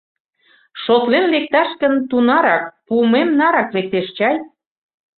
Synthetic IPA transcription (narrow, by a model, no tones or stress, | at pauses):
ʃot̪lenlek̚t̪ɑʃkənt̪unɑɾɑkpumemnɑɾɑklek̚t̪eʃt͡ɕɑj